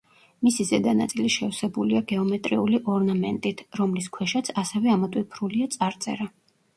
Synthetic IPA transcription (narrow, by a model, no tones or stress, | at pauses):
misizɛd̪ana̰t̪sʼiliʃɛvsɛbuliaɡɛɔmɛt̪ʼɾiuliʔɔɾnamɛnt̪ʼit̪ʰɾɔmliskʰwɛʃat̪sʰasɛvɛamɔt̪ʼwipʰɾuliat̪sʼaɾt̪sʼɛ̰ɾa